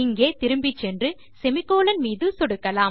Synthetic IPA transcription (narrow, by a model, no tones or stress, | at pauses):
ɪŋɡeːt̪ɪɾɯmbɪt͡ʃːɛndrɯ | sɛmɪkːoːlɐnmiːðɯsɔɽɯkːɐlaːm